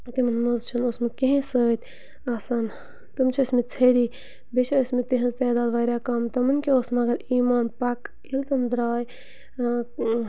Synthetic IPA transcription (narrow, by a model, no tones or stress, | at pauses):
t̪imɐnmɐzt͡ʃʰɐnoːsmɐt̪̚kiɦẽsəːt̪ʲ | aːsaːn | t̪ɐmt͡ʃʰɐɐsmit͡sʰɐːɾiː | bet͡ʃʰɐəsʲmit̪iɦɐ̃nzt̪eːd̪aːd̪ʋaːɾʲjaːkɐmt̪ɐmɐnkʲioːsmɐɡɐɾiːmaːnpɐk | ilt̪ɐmd̪ɾaːj